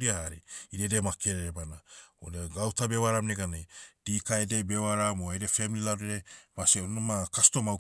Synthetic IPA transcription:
ɾiahaɾiiɾedemakeɾeɾebanaodeɡawtabewaɾamneɡaned̥ikaedebewaɾamoajɾefemililawɾeɾemaseonomakasto̞maw

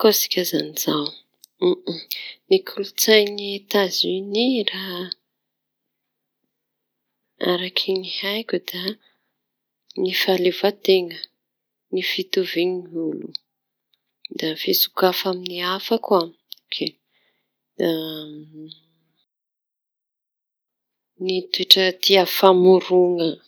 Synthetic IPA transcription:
kosi̥kʲazaniz̥aw̩ | nikʰulut͡sajniet̪aziniraɦ | a̰ɾakʰinihajkʲud̪̥a | nifalevat̪eŋə | nifit̪uviŋimiulṵ | d̪afesu̥kafaminiafakam | okʰe | a | nit̪ueʈ͡ʂət̪iafamuɾuŋə

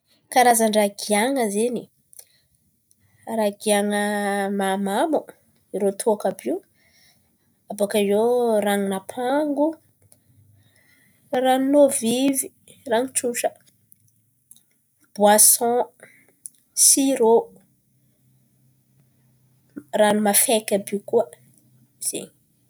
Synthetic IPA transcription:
kaɾazaɳɖ͡ʐaɡiaŋəzeni | ɾaɡiaŋəmamamu | iɾot̪ʰoakabiu | abakazoraŋinapʰaŋɡu | rannovivi | raŋiʈ͡ʂuʈ͡ʂə | b̥wasɔ̃ | siɾo | ranumafekʲabikuə | z̥ḛɲi̥

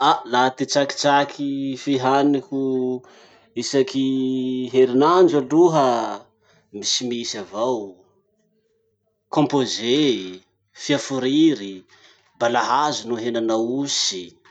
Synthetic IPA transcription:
alat̪it͡saki̥t͡sakʰifiɦaniku | isakiɦeɾinand͡ʒaɖ͡ʐuɦə | misimisavaw | kõmpoze | fiafuɾiɾi | balaɦazunuɦenanawusi̥

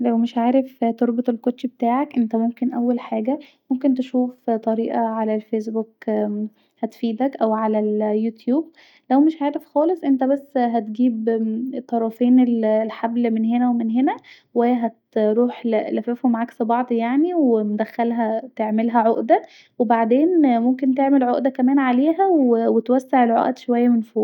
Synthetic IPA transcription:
læwmeʃʕaːɾeft̪oɾbot̪ˤelkot̪ːʃbet̪aːʕakʔent̪æmomkenʔæwːælħaːɡæmomkent̪eʃuːft̪ˤɑɾiːʔɑʕalælfeːs̬buk | hæt̪fiːd̪ækʔæwʕalæljut̪juːb̚ | læwmeʃʕaːɾefxɑːlesˤʔent̪æbæsːɦæt̪ɡiːbt̪ˤːɑɾˤɑfeːnellħablmenɦenæwemenɦenæwæjːæɦæt̪ɾuːħllæfefhomaʕaksebɑʕd̪ˤjaʕniwemd̪æxːælɦæt̪eʕmelɦæʕoʔd̪æ | webaʕd̪eːnmomk̬ent̪eʕmelʕoʔd̪ækæmæːnʕaleːɦæwewet̪wæsːeʕelʕo̰ʔd̪ʃowæjːæmenfoː

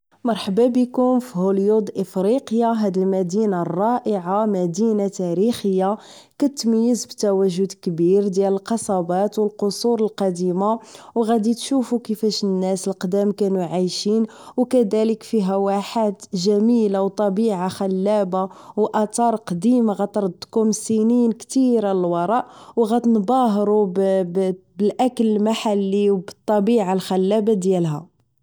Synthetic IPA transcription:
mɑɾˤħəbabəkʊmfihuljud̪ʔəfɾiqjaɦæd̪əlmæd̪inarˤːɑʔəʕamæd̪inat̪æɾixəjːa | kæt̪məjːəzbt̪æwæʒːʊd̪kbiɾd̪jæləlqɑsˤɑbɑt̪wəlqosuɾəlqɑd̪imawɣæd̪it̪ʃufukəfæʃnːæsəlqd̪æmkænuʕajʃin | wkæd̪æləkfiɦæwaħat̪ʒæmilawt̪ˤɑbiʕaxælːæbawʔɑt̪ˤɑɾˤqd̪imaɣæt̪ɾˤəd̪ːkumsininkt̪iɾaləlwɑɾˤɑʔwɣæt̪nbɑɦɾub | bəlʔækələmaħalːiwbət̪ˤːɑbiʕalxælːæbad̪jælɦæ

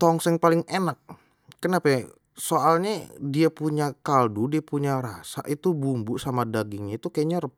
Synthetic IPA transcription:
t̪ɔŋsɛŋpalɪŋenak̚ | kːənapa | soʔalɲadiapuɲakaldudiapuɲaɾasa̰ʔit̪ubumbʊʔsamadaɡɪŋɲait̪ukajaɲaɾəp

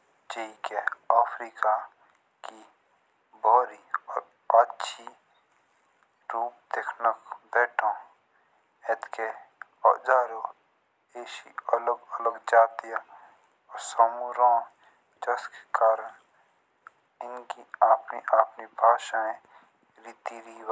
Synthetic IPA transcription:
d͡ʒeikeaːpʰɾiːka | ki | bʱɔːɾiɔːɾ | ɐtːʃʰi | ɾuːp̚d̪ekʰnəkbɛːʈʰõ | et̪ke | ɔ̰d͡ʒaːɾo | eːʃiələɡələɡd͡ʒaːt̪ija | ɔːɾsamuɾãː | d͡ʒɐske̥kaːɾən | ɪnkiaːpniʔaːpnibʱaːʃaẽ | ɾiːt̪iɾiw

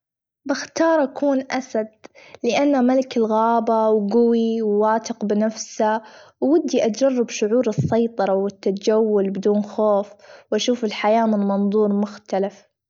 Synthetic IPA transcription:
bɪxt̪ɑːɾˤʔakuːnʔasad̪̚lɪʔanːamalɪkɪlɣaːbawɡʊwiwːaːt̪ɪqbɪnafsawːɪd̪ːiʔad͡ʒɑrˤːɪbʃʊʕuːɾɨsˤːɑjt̪ˤɑɾˤɑwɪt̪ːad͡ʒawːʊlbɪd̪uːnxoːfwʔaʃuːfɪlħajaːmɪnmɑnðˤuːɾˤmʊxt̪alɪf

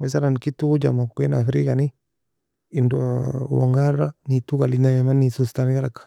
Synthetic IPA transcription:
wesaɾankitːud͡ʒa̰makkinafɾikani | indowɔ̰ŋɡaɾanitukalinajamanːisustanɡaɾakḁ

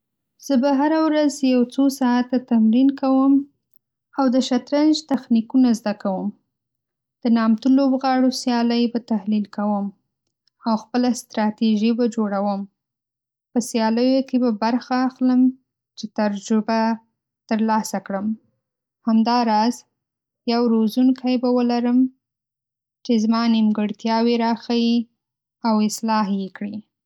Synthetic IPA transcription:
z̥əbaɦaɾawɾazjawt͡sosɑat̪at̪amɾinkawəm | awd̪əʃat̪ɾand͡ʒt̪axnikunazd̪akawəm | d̪̥ənɑmt̪ulobɣɑɽosjɑləjbat̪ahlilkawəm | awxpəlast̪ɾɑt̪iʒibad͡ʒoɽawəm | pəsjɑləjokebabaɾxaːxləm | t͡ʃet̪aɾd͡ʒʊba | t̪əɾlɑsakɽəm | hamd̪ɑɾɑz | jawɾozunkʰajbawəlaɾəm | t͡ʃezmɑnɪmɡəɽt̪jɑweɾɑxawi | awɪslɑɦjekɽi

